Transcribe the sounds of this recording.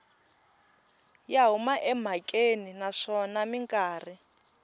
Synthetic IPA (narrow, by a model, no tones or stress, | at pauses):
jaɦumaʔɛm̤akʼeninaʂɔnamiŋkʼaːri